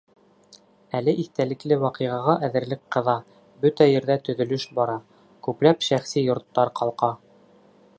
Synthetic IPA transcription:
ælɘʔiθt̪ælɘ̆klɘwɑqɤ̆ʁɑʁɑʔæðɘ̆ɾlɘkqɤ̆ðɑ | bɵt̪æjɘ̆ɾðæt̪ɵ̆ðɵ̆lɵʃbɑɾɑ | kʉplæpʃæχsijŏɾt̪ːɑɾqɑlˠqɑ

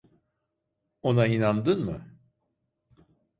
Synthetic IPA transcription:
o̞nainand̪ɯnmɯ

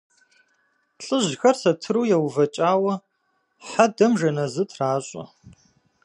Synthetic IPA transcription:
ɬʼɨʑxɐrsɐtʰɨɾuːjɛwvɐt͡ʃʼaːwɐ | ħadɐmʒɐnɐzɨtʰraːɕʼɐ̰

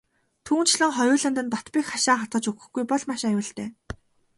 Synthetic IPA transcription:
t̪ʰuːn̥t͡ɕʰɮə̆ŋχɔjʊːɮə̆nt̪̬ə̆nt̪ɔt̪piːxχaʃaːχat̪̚ɢə̆t͡ɕukɵ̆xɡujpɔɮmaʃajʊːɮt̪eː

